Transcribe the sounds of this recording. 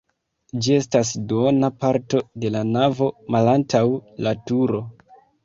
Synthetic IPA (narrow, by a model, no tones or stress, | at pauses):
d͡ʒie̞stas̬donapaɾto̞de̞lanavo̞malantawlatuɾo̞